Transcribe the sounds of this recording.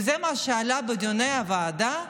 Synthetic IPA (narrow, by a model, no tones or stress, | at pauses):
zɛmaʃaːlabəd̪ʲonɐjaʋaːd̪a